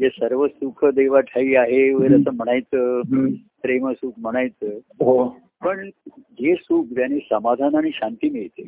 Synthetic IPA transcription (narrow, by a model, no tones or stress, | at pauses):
jesəɾʋəsukʰəd̪eʋaʈʰaiːaɦeʋəeɾəsəːm̤əɽ̃ajt͡səːpɾeməsukʰm̤əɽ̃ajt͡səː | ɦo | pəɳd͡ʑesuːkʰʋjaniːsəmad̪ʱanaɽ̃iɕant̪iːmiɭt̪e